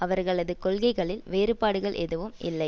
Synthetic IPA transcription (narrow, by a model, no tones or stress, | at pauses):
ɐʋɐɾɣɐɭɐðɯkɔlɣɐɪɣɐɭɪlʋeːɾɯpaːɽɯɣɐɭʔɛ̰ðɯʋɯmʔɪ̰lːɐɪ